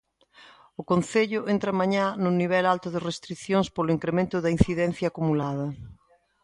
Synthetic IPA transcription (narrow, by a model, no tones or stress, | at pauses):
ʊkonθeʎʊʔent̪ɾɐmaɲanʊniβ̞ɛlalt̪ʊðɪrest̪ɾikθjoŋspolʊiŋkɾemẽnt̪ʊðɐin̟θiðɛn̟θjaːkumulað̞ɐ